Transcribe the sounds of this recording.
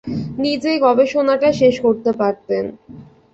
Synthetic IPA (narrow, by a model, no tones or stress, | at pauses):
nid͡ʑeɡɔbeʃonaʈaʃeʃkoɾt̪epaɾt̪en